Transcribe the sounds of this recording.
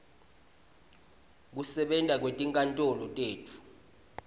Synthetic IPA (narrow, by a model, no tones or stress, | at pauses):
k̬usɛɓɛntʼak̬wetʼiŋkʼantʼɔlɔtʼeːtʰu̥